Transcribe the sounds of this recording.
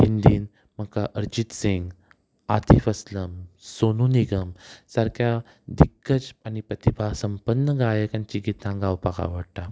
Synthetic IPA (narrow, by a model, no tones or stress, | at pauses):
hind̪iːn | m̤əkaʔəɾd͡ʑit̪siŋɡ | at̪ʰifəsləmsonuniɡəmsaɾkʰja | d̪iɡːət͡sanipɾət̪ibʱasəmpənːəɡajəkãɲt͡ɕiɡit̪ãɡawpaka̰ʋəɽʈa